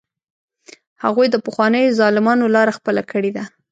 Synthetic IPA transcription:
haɣujd̪əpəxwɑnəjozɑlɪmɑnolɑɾaxpəlakʰəɽed̪a

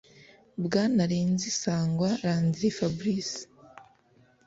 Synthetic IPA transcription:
bɡaːnaɾeːnzisaːŋɡwaɾaːnziɾefabɾisi̥

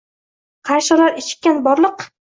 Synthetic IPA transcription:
qʰɑɾʃɪlaɾɪʃɪ̥k̚ʲːanbɒɾlˠɨq

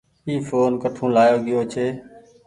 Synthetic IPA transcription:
iːfoːnkəʈʰũːlaːjoːɠɪjoːt͡ʃʰeː

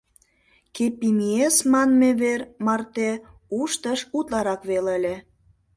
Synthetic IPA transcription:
kepimiesmɑnmeβermɑrt̪euʃt̪əʃut̪lɑɾɑkβeləlʲe

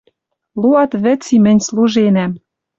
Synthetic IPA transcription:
luɑt̪βɘ̆t͡simɘ̆nʲsluʒenæm

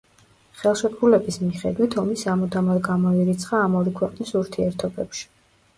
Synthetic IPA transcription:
χɛlˠʃɛtɡulɛbismiχɛ̰d̪wit̪ʰɔmisamɔd̪amɔɡamɔiɾit̪sʰχaːmɔɾikʰwɛqʼnisuɾt̪ʰiɛɾt̪ʰɔbɛpʃi̥

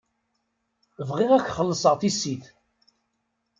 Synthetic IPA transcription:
vʁɪʁækʷːχəlːəsˤəʁθisːiθ

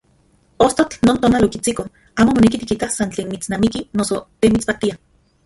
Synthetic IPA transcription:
ost̪ot͡ɬnoːnt̪oːnalokit͡siko | aːmomonekit̪ikit̪asant͡ɬeːnmit͡snaːmikinosot̪emit͡spat̪ia

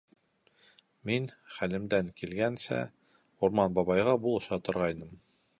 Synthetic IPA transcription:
minχælɘ̆md̪æŋkilɡænsæ̰ | uɾmɑnbɑβɑjʁɑbulˠɤ̆ʃɑt̪ŏɾʁɑjnɤm

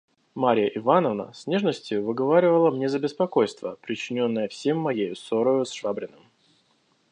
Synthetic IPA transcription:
maɾʲɪjəʔɪvanəvnə̰sʲnʲe̞ʐnəsʲtʲɪjʊvɨɡɐvaɾʲɪvəlˠəmnʲezəbʲɪspɐko̞jst̪vəpɾʲɪt͡ɕːɪnʲo̞nːəjəfsʲe̞mːɐjejʊsoɾəjʊsʂvabɾʲɪnɨm

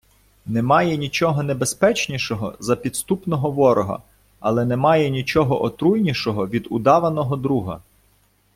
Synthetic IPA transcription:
nɛmɑjɛnʲit͡ʃɔɦɔnebespɛt͡ʃnʲiʃɔɦɔ̰zɐpʲid̪st̪upnɔɦɔʋɔɾɔɦɐ̰ | ɐlˠɛnɛmɑjɛnʲit͡ʃɔɦɔʔɔt̪ɾujnʲiʃɔɦɔʋʲid̪ʊd̪ɑʋɐnɔɦɔd̪ɾuɦɐ̰

